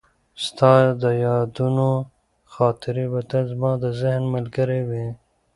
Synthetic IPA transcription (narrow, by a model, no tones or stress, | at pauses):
st̪ɑːd̪əjɑːd̪uno | xɑːt̪ɪɾibat̪azmɑːd̪əzɪhnməlɡəɾewi